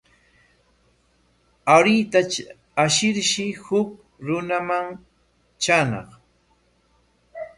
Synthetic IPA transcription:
aɾɪjt̪a | aʃɪɾʃɪhʊk̚ | ɾʊnamaŋ | t͡ʃanɑ̰χ

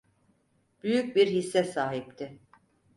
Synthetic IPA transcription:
b̥yjyc̚biɾhisːɛsaːɦip̚t̪ʰɪ

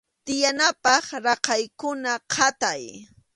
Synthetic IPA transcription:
t̪ɪjanapɑχɾɑqɑjkʊnaqʰɑt̪aj

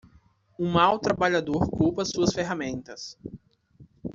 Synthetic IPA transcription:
ũmawt̪ɾabaʎad̪oɾkupɐsuɐsfeɦamẽnt̪ɐs

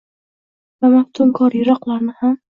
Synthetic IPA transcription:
vamaht̪ʰʊmkʰɒɾjɪɾɒqlˠaɾnɪham

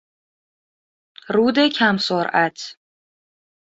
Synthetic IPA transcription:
ruːd̪ekʲʰamsɔɾat̪ʰ

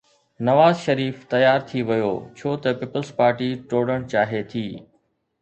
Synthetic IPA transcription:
nɐʋaːzʃɐɾiːft̪ɐjaːɾt̪ʰiʋɐjo̰ːt͡ɕʰoːt̪ɐpiːpəlspaːɾʈiʈoːɽəɽ̃t͡ɕaːɦet̪ʰiː

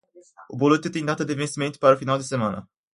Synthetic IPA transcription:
obolut̪et̪iŋd̪at̪əd̪evenst̪iment̪ʲpaɾofinald̪esemana̰

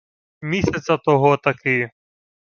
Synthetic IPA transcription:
mʲisʲɐt̪sʲɐt̪ɔɦɔt̪ɐkɪ

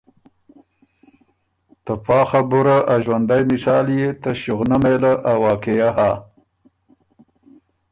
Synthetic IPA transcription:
t̪apɑːxabuɾaʔaʒwand̪ajmɪsɑːljet̪aʃuɣnamelaʔawɑːkejaha

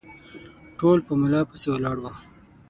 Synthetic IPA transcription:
ʈolpəmɪlɑpəsewalɑɽwa

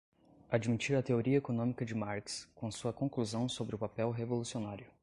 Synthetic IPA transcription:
ad͡ʒmit͡ʃiɾɐt̪eoɾiɐekonõmikɐd͡ʒɪmaɾkskõsuɐkõkluzɐ̃w̃sobɾɪʊpapɛwɦevolusionaɾjʊ

